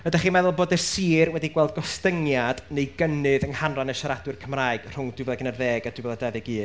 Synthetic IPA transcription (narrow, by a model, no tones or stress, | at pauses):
bədaχiːmɛðʊlˠboːdɛrsiːrwɛdiɡwɛlˠd̚ɡɔstəŋjad̥nejɡənɨðəŋhanranəʃaɾadwɨrkʰəmraːɨɡ̥r̥ʊŋdwɨvɛðaɡənərðeːɡad̥wɨvɛðadɛðɨɡɨː